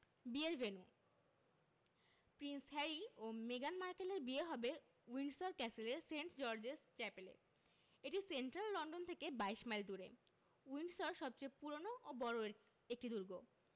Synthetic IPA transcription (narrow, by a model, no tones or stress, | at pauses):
bieɾvenu | pɾinshɛɾiomeɡanmaɾkeleɾbieɦɔbe | winɖsoɾkɛseleɾseɳʈd͡ʑɔɾd͡ʑest͡ɕɛpelḛ | eʈisenʈɾalːɔɳɖont̪ʰekebaeʃmajld̪uɾḛ | uinɖsɔɾʃɔb̚t͡ɕejpuɾonoʔobɔɾo | ek̚ʈid̪uɾɡo